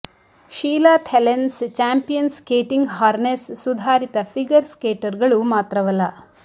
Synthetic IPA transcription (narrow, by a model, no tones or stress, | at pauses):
ʃiːlaːt̪ʰelenst͡ʃaːmpijɐnskeːʈiŋɡɦaːɾnesːud̪ʱaːɾit̪ɐpʰiɡɐɾskeːʈɐɾɡɐɭumaːt̪ɾɐʋɐlːɐ